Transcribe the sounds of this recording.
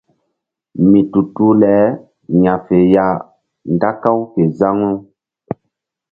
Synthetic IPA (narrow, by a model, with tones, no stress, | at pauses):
mĩ˨tu˨tu˦lɛ˨˦ | ɲã˨fe˨ja˨ | nda˦kã˦wke˨za˦ŋu˦